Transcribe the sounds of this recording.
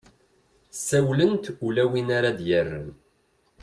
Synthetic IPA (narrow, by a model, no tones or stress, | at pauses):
sæwlənt̪ulæwinaɾad̪jərːə̰n